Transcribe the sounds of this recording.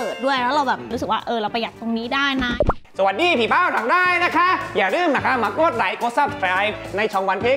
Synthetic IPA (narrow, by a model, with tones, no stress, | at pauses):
ɤː˨˩t̪̚du˥˩əjlʰɛː˦˥ɾa˧wbɛː˨˩p̚ɾu˦˥s̬k̚waː˥˩ʔɤː˧ɾa˧wpʰa˧ja˨˩t̪ːo˧ŋniː˦˥daː˥˩jnaː˧˩sa˧wa˨˩t̪̚diː˧pʰiː˨˩paː˥˩wt̪ʰa˧˩˦ŋɾaː˥˩jna˦˥kʰa˦˥ʔjaː˨˩ɾɯː˥˩mna˦˥˩kʰa˦˥maː˧kuː˥˩t̪̚ɾa˨˩˦jkoː˦˥t̪̚sa˥˩p̚skaː˦˥jp̚na˧jt͡ɕʰɔː˧ŋwa˧˥npʰeː˦˥˩